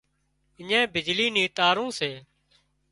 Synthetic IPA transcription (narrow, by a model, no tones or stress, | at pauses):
ɪɲẽːbɪd͡ʒliːnĩːt̪aːɾũːseː